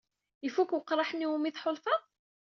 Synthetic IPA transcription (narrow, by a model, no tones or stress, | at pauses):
əfukwəqːɾˤɑħnːiumiθħʊlfɑðˤ